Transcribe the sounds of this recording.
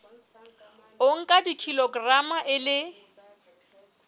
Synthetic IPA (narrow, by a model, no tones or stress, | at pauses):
oŋ̩kʼadikʰilɔɡramaʔɪlɪ